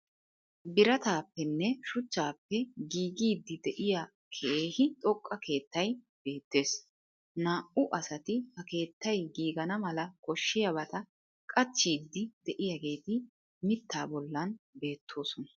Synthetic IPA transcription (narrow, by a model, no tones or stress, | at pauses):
bɪɾɐt̪aːpːɛnːɛʃʊt͡ʃːaːpːɛɡiːɡiːd̪ːɪd̪ɛʔɪja | kʰɛeːhɪt̪ʼɔkʼːɐkʰe̞ːt̪ːɐj | b̥e̞ːt̪ːe̞ːs | naːʔʊʔɐsɐt̪ɪhɐke̞ːt̪ːɐjɡiːɡɐnɐmɐlɐkɔʃːɪjɐbɐt̪ʼɐ | kʼɐt͡ʃːiːd̪ːɪd̪ɛʔɪjaɡe̞ːt̪ɪ | mɪt̪ːaːbɔlːɐnbe̞ːt̪ʰːo̞ːsɔnɐ̥